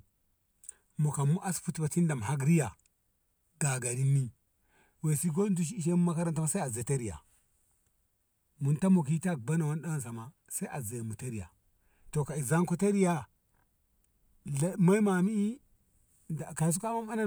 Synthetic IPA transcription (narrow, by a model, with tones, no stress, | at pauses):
mo˨ka˨mu˦ʔa˦sfu˦tba˨ti˦n˦da˨m˨ha˦ɡɾi˦ja˨ | ɡa˨ɡa˨ɾi˦mːi˦ | we˨si˦ɡo˦n˦du˦ʃ̬i˦i˦ʃe˦mu˦ma˦ka˦ɾa˦nta˦ma˦sa˦a˨ze˨ta˦ɾi˨ja̰˨ | mu˨nta˦mu˨ki˦ta˦k̚ba˦na˨wa˦nɗa˦a˦˨s̬a˨ma˨ | sa˦ʔa˨za˨jmu˨ta˦ɾi˨ja̰˨ | to˨ka˨i˨za˦ŋko˦ta˦ɾi˦ja˨˦ | ma˦i˦ma˨mi˦i˦˨ | ka˨s̬u˦ka˦ma˦ma˦na˦